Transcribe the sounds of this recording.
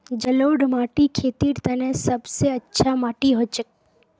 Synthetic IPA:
d͡ʒəloːɽmaːʈikʰet̪iːɽt̪ənesəbseətːʃʰamaːʈiɦot͡ʃək

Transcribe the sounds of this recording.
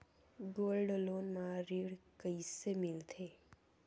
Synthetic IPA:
ɡoːlɖloːnmãɾiɽkəisemɪlt̪ʰeː

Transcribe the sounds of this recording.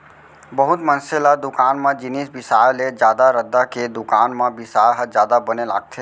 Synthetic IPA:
bəɦʊt̪mɐ̃nselad̪ʊkaːnmãd͡ʒɪnisbɪsaːjled͡ʒjaːd̪aɾəd̪aked̪ʊkaːnmãbɪsaːjɦəd͡ʒjaːd̪abənela̰ːɡ̚t̪ʰe

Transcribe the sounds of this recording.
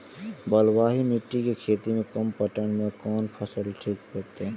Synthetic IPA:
bəlwaːɦimiʈːikekʰeːt̪imẽkəmpəʈəɳmekɔːnpʰəsəlʈʰiːkɦət̪e

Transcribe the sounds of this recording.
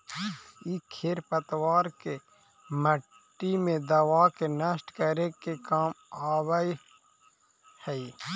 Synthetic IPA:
ikʰeɾpət̪waːɾke | mə | ʈːimẽd̪əwaːkenəsʈkəɾekekaːmaːwəi | həi

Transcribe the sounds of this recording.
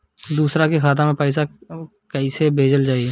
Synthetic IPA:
d̪uːsɾakekʰaːt̪̬ãmẽpɛːɪs̬a | kəisebʱeːd͡ʒəld͡ʒaːi

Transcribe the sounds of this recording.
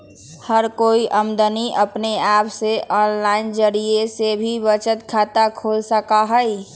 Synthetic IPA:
həɾkoːiʔəmd̪əniʔəpneaːpseʔɔːnlaːɪnd͡ʒəɾiesebʱibət͡ʃət̪kʰaːt̪akʰoːlsəkaɦəi

